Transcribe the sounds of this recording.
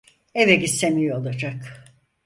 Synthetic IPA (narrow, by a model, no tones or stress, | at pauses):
eveɟisːemijoolˠad͡ʒak